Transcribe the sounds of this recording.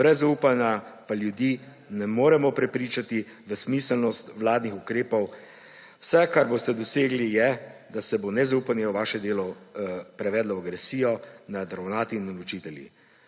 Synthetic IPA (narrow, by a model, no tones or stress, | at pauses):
bɾɛzauːpanapaljud̪iː | nɛmoːɾɛmɔpɾɛpɾiːt͡ʃat̪i | ʋəsmisəlnɔst̪ʋlaːd̪nixukɾeːpɔw | wsɛkaɾboːst̪ɛd̪ɔseːɡlijɛd̪asɛbonɛzaupanjɛwʋaːʃɛd̪eːlɔpɾɛʋɛːd̪laaɡɾɛsiːjɔnad̪ɾawnaːt̪iːnɔlɔt͡ʃiːt̪ɛljḭ